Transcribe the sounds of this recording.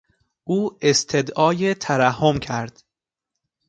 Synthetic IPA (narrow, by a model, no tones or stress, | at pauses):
ʔuːest̪ʰe̞d̪ɒːjet̪ʰæɾæhːomcʰæɾd̪̥